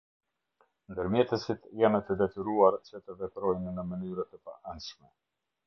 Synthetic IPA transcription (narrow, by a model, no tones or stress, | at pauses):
nd̪əɾmjɛt̪əsit̪janət̪əd̪ɛt̪yɾuaɾt͡ʃət̪əvɛp̪ɾɔjnːəmənyɾət̪əpa̰ʔanʃmɛ